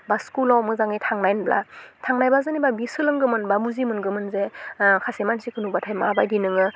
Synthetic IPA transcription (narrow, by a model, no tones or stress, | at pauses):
baskulawmɯzaŋitʰaŋnajnbla̰tʰaŋnajbazɯnibabisɯlɯŋɡɯmɯnbamuzimɯnɡɯmɯnzekʰasemansikʰɯnubatʰajmabajdinɯŋɯ